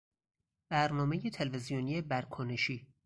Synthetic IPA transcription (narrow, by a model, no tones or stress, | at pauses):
b̥æɾnɒːmejet̪ʰelvezijonijebæɾkʰone̞ʃiː